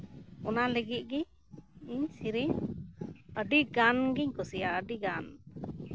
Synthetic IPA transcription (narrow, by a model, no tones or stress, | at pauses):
ɔnaləɡit̪̚ˀɡi | iɲsiɾiɲ | əɖiɡanɡiɲkɔsijaəɖiɡan